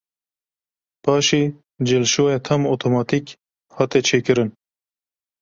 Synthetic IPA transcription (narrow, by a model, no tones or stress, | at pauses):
paːɕi | d͡ʑelʃoːet̪ʰɐmot̪ʰomɑːt̪ik | hat̪et͡ʃʰeːkəɾən